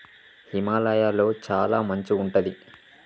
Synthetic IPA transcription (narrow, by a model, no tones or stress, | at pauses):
himaːlɐjaːlo̞ːt͡ʃaːlaːmɐɲt͡ʃiːɳʈɐd̪i